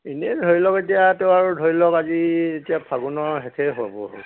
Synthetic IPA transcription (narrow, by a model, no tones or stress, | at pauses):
inɛdʱoilɔketijateʊaɹudʱoɹilɔkazietiapʰaɡunɔɹɦɛtʰɛɦɔabɔ̰ɦo̰